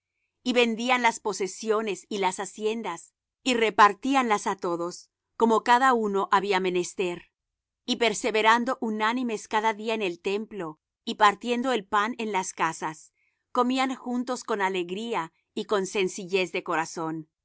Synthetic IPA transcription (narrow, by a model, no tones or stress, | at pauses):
iβe̞nd̪ianlaspo̞se̞sjo̞ne̞silasasje̞nd̪as | ire̞paɾt̪ianlasat̪o̞ðo̞s | ko̞mo̞kaðauno̞ʔaβiame̞nest̪e̞ɾ | ipe̞ɾse̞βe̞ɾand̪o̞ʔunanime̞skaðaðiaene̞lt̪e̞mplo̞ | ipaɾt̪je̞nd̪o̞e̞lpanenlaskasas | ko̞miaŋxunt̪o̞sko̞nale̞ɣɾia | iko̞nse̞nsiʝe̞zðe̞ko̞ɾaso̞n